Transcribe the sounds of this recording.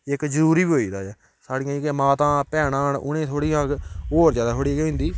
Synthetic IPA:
ɪkzəɾuːɾiːbiɦoːiːd̪a̰ːɛː | saːɽɪ̃jãːkemãːt̪ãːpɛːɽãːnʊ̰nẽːt̪ʰoːɽiːãːkoːɾzjaːd̪aːt̪ʰoːɽiːɡeɦʊ̃nd̪iː

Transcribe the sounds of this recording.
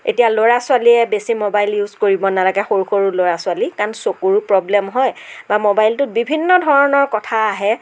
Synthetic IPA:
ḛtijaloɹasʊaliɛbesimobajljuzkoɹibɔnalaɡɛxoɹuxoɹuloɹasʊalikaɹnsokuɹupɹɔblɛmɦɔjbamobajltʊt̚bibʱinːɔdʱɔɹɔnɔɹkɔtʰaːɦɛ

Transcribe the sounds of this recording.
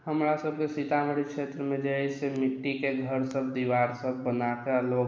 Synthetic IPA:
ɦəmɾasəb̚ʱkesɪt̪aməɽikʃeːt̪ɾəmẽd͡ʒəisemɪʈːikeɡʱəɾsəb̚d̪iʋaːɾsəbbənakaloːɡ

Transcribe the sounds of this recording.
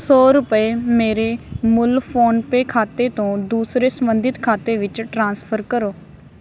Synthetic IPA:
sɔːɾʊpəeːmeːɾeːmʊlpʰoːnpeːkʰaːt̪eːt̪õːd̪uːsɾeːsəmənd̪ɪt̪kʰaːt̪eːʋɪt͡ʃʈɾãːnspʰəɾkəɾoː

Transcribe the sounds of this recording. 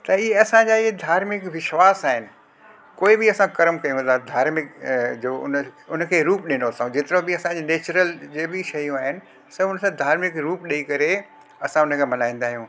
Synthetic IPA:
t̪ɐieɐsãd͡ʑaːɪɦed̪ʱaːɾmɪkʋɪʃwaːsaːɦɪnɪ̆ | koːɪbɪɐsãkɐɾəmkɐjũd̪ad̪ʱaːɾmɪkd͡ʑoːʊ̰nʊnə̆kʰeːɾuːpɗɪnosaːũd͡ʑeːt̪ɪɾõbɪɐsãd͡ʑeneːt͡ɕɾəld͡ʑeːbɪʃɐjũaːɦɪnɪ̆ | sɐbʊnəsãd̪ʱaːɾmɪkɾuːpɗiikɐɾe | ɐsãʊnəkʰeːmɐnaːĩːn̆d̪aːɦijũː

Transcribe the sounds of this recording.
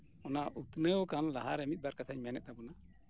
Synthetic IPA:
ɔnaʔut̪nəwkanlaɦaɾɛmit̪̚baɾkat̪ʰaɲmɛnɛt̪̚d̪abuna

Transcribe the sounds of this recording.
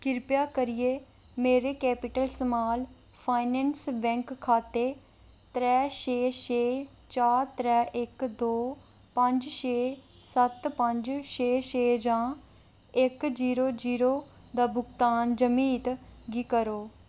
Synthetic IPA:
kɪɾpjaːkəɾɪjeː | meːɾeːkɛːpɪʈəlsəmaːl | pʰaːɪnɛːnsbɛ̃ŋkkʰːaːt̪eː | t̪ɾɛːʃeːʃeː | t͡ʃaːɾt̪ɾɛːʔɪkd̪oː | pə̃ɲd͡ʒʃeː | sət̪pəɲd͡ʒʃeːʃeːd͡ʒãː | ɪkd͡ʒiːɾoːd͡ʒiːɾoː | d̪aːbʊɡt̪aːnd͡ʒəmiːt̪ɡiːkəɾoː

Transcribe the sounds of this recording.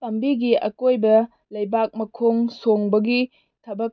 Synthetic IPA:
tɐmbiɡiʔɐkojbɐ | lɐjbak̚mɐkʰoŋsoŋbɐɡi | tʰɐbɐk̚

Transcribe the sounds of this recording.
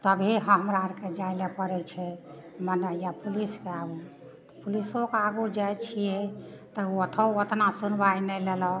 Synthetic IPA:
t̪əbʱeɦəɦəmɾaɾked͡ʒailepəɾɛt͡ʃʰɛmənəjapuliskeaɡu | t̪ɔpulisokeaɡud͡ʒajt͡ʃʰijɛt̪ɔuot̪ʰəuot̪nasunbajnɛlelɔ

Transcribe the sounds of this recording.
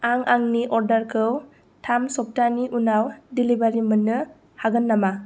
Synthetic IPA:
aŋaŋniʔɔɾdaɾkʰɯw | tʰamsɔp̚taniʔunawdilibaɾimɯnːɯ | haɡɯnːama

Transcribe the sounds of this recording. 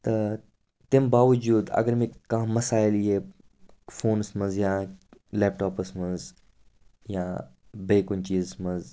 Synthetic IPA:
t̪ɐ | t̪ɪmbaːʋɐd͡ʒuːd̪ɐ̰ɡɐɾmẽkãːmɐsaːɪliɦe | foːnsmɐnzjãːleːp̚ʈoːpəsmɐz | jãː | beːkʊnt͡ʃiːzsmɐz

